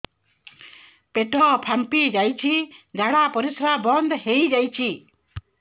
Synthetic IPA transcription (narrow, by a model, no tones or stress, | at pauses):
peʈʰɔpʰampid͡ʒajt͡ʃʰid̪aɽapɔɾisɾabɔnd̪hejd͡ʒajt͡ʃʰi